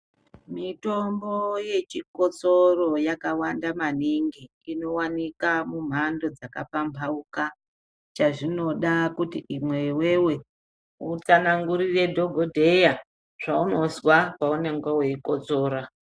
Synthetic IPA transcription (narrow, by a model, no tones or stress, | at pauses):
mito̞mboje̞t͡ʃiko̞t͡soro̞jakawandamaniŋɡi | ino̞wanikamum̤ando̞d͡zaka̰pampʰauka | t͡ʃaʐino̞ɗakutiʔimwe̞we̞we̞ | ut͡sanaŋɡuɾire̞dʱo̞ɡʱodʱe̞ja | ʐ̥auno̞zwakaune̞ŋɡwaweiko̞t͡so̞ːɾa